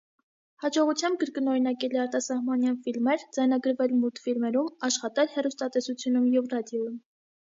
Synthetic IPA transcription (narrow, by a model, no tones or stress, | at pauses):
hɑd͡ʒɔʁut͡sʰjɑmb̚ɡəɾkənɔɾinɑkɛlɛɑɾt̪ɑsɑhmɑnjɑnfilmɛɾd͡zɑjn̪ɑɡəɾvɛlmut̪filmɛɾumɑʃχɑt̪ɛlhɛrust̪ɑt̪ɛsut͡sʰjunumjɛvrɑd̪ilum